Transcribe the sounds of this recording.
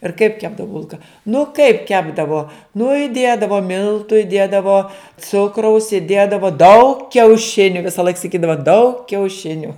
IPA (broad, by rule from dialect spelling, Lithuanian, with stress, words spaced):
ɪr kɐɪp ˈkʲæːbdɐʋʊ bʊlˠkɐ nʊ kɐɪp ˈkʲæːbdɐʋoː nʊ ɪˈdʲeːdɐʋoː ˈmʲɪlˠtʊ ɪˈdʲeːdɐʋoː ˈt͡sʊkrɐʊs ɪˈdʲeːdɐʋoː dɐʊk kʲɛʊˈʃʲɪnʲʊ ʋʲɪsɐˈlˠɐɪk sɐˈkʲiːdɐʋɐ dɐʊk kʲɛʊˈʃʲɪnʲʊ